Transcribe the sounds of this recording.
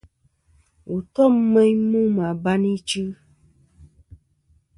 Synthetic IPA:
wʔo˨t̪ɔ˦m̩˦mɛ̃˦ɲ˦mũ˦mã˨ba˦nĩ˦t͡ʃɨ˦

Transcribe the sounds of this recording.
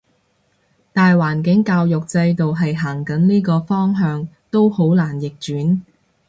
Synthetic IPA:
t̪aː˨jwaː˨˩nk̬ɪ˨˥ŋkaː˧wjʊ˨k̚t͡sɐ˧jt̪o˨wɦɐ˨jɦaː˨˩ŋkɐ˨˥nliː˥kɔː˧fɔː˥ŋɦœː˧ŋt̪o˥who˨˥wlaː˨˩njɪ˨k̚t͡ʃyː˨˥n

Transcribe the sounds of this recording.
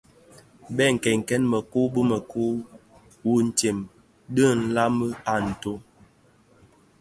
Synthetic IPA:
bɛ˦˨ŋ̩˨kɛ˨ŋ̩˨kɛ˦nmə˨ku˦bə˦mə˨ku˦ | wu˦n̩˨te˨m | ɗə˦n̩˦la˦mə˦a˦˨n̩˨to˦

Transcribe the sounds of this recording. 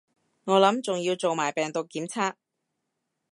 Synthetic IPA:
ŋɔː˨˧lɐ˨˥mt͡sʊ˨ŋjiː˧wt͡so˨wmaː˨˩jpɛː˨˩ŋt̪ʊ˨kːiː˨˥mt͡sʰaː˥k̚

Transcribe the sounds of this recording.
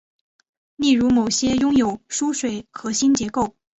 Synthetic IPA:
li˥˩ɻu˧˥mo˨˩ʊɕjɛ˥jʊ˥ŋjo˨˩ʊʂu˥ʂwe˨˩ɪxɤ˧˥ɕi˥nt͡ɕjɛ˧˥ko˥˩ʊ

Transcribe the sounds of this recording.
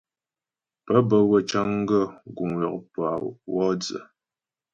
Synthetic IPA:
pə˦bə˨wə˨t͡ʃa˦ŋ˦ɡə˦˨ɡu˨ŋwɔ˨k̚pwa˨wɔ˦d͡zə̰˨

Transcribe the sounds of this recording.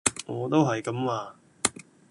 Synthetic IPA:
ŋɔː˨˧t̪o˥wɦɐ˨jkɐ˨˥mwaː˧

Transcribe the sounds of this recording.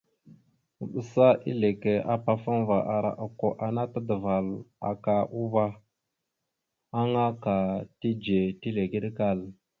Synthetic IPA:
ɓu˨sa˦ʔḭ˦le˨ke˨a˦pa˨fa˦n˦va˨ʔa˨ɾa̰˨ʔa˨ko˨ʔa˨na˦tə˦də˨va˨la̰˨ka˨ʔu˦ba˦ | a˦ŋa˦ka˨ti˦d͡ʒe˨ti˦le˨ɡi˦ɗka˦˨l

